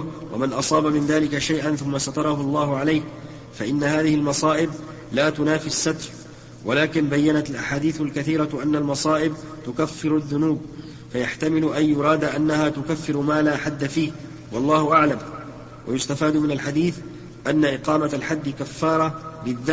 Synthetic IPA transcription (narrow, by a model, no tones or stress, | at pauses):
wa̰mɪnʔɑsˤɑːbamɪnðaːlɪkaʃajʔanθʊmːasɑt̪ɑɾˤɑhʊlˤːɑːhʊʕalajk | faʔɪnːahaːðɪhɪlmɑsˤɑːʔɪb̚ | laːt̪ʊnaːfisːat̪ɾˤ | walaːkɪnbajːanat̪ɪlʔaħaːd̪iːθʊlkaθiːɾɑʔanːalmɑsˤɑːʔɪb̚ | t̪ʊkafːɪɾʊðːʊnuːb | fajaħt̪amɪlʊʔanjʊɾˤɑːd̪ʔanːahaːt̪ʊkafːɪɾmaːlaːħad̪ːafiːh | wɑlˤːɑːhʊʔaʕlam | wa̰jʊst̪afaːd̪ʊmɪnalħad̪iːθ | ʔanːaʔɪqɑːmalħad̪ːɪkafːɑːɾˤɑbɪðːa